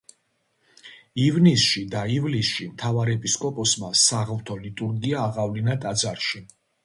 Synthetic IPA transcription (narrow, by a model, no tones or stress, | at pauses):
ivnisʃid̪aivlisʃimt̪ʰavaɾɛpʼiskʼɔpʼɔsmasaʁlt̪ʰɔlit̪ʼuɾɡiaːʁavlinat̪ʼad̪zaɾʃi